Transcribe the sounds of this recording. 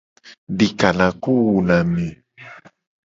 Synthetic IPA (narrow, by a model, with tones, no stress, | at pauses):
ɖi˨ka˨nã˨ku˦wu˨nã˨mĩ˨